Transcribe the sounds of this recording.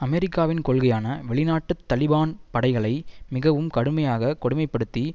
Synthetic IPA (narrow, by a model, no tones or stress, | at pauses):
ɐmɛɾɪkːaːʋɪnkɔɭɣɐjaːnɐʋɛɭɪnaːʈːɯt̪ːɐlɪbaːnpɐɽɐɪɣɐɭɐɪmɪɣɐʋɯmkɐɽɯmɐjaːɣɐkɔɽɯmɐɪpːɐɽɯt̪ːi